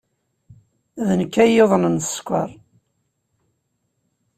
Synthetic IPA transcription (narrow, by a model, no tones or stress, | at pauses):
ðənəkːæjeðˤnən̥skʷːɑ̰ɾˤ